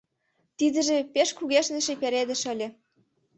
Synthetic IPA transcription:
t̪id̪ə̆ʒĕpeʃkuɣeʃnĕʃĕpeɾed̪ə̆ʃə̆lʲĕ

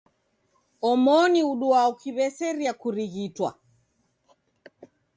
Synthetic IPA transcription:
ɔmɔniuɗuaukiβɛsɛɾiakuɾiɣitwa̰

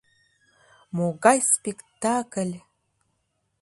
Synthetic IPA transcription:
moɣɑjspʲekt̪akəlʲ

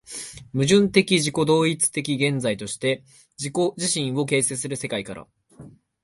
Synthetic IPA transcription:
mɯ̟ʑɨ̃nt̪e̞kʲiʑiko̞d̪o̞ːit͡sɨ̥t̪e̞kʲiɡẽ̞nd͡zait̪o̞ɕi̥t̪e̞ | d͡ʑiko̞ʑiɕĩɰ̃o̞ke̞ːsesɨɾɯ̟se̞kaikaɾa̰

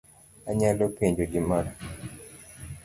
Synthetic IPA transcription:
aɲalopeɲd͡ʒoɡɪmaɾa

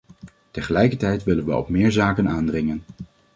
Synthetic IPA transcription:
təχəlɛjkəɹtɛjtʋɪlənʋəɔ̰pmɪːɹzaːkənaːndrɪŋən

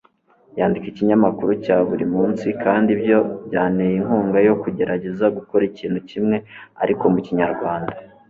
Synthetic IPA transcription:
jaːndikiciɲamakuɾucaːβuɾimuːnsikʰaːndibjo̞bjaːnejiŋhuːŋɡajo̞kuɟe̞ɾaɟe̞zaɡukoɾiciːn̥hucimŋe̞a̰ɾʔiko̞muciɲaɾɡwaːnda

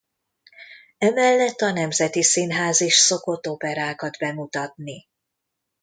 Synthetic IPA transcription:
ɛmɛlːɛt̪ːɒnɛmzɛt̪isinɦaːziʃso̞ko̞t̪ːo̞pɛɾaːkɒd̪bɛmut̪ɒt̪ni

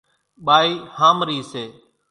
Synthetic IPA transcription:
ɓaːiːhaːmɾiːseː

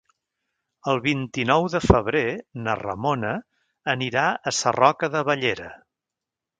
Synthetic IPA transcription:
əlˠβint̪inɔwðəfəβɾenərə̰monəː | niɾaəsə̰rɔkəðəβəʎeɾə

